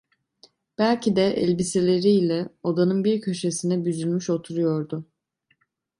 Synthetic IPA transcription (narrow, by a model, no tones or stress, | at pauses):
b̥ælʲcid̪ɛʔɛ̰lʲbiselʲe̞ɾiːlʲɛod̪anɯnbiɾcʰø̞ʃesinɛbyzylʲmyʃo̞t̪ʰuɾujo̞ɾd̪ʊ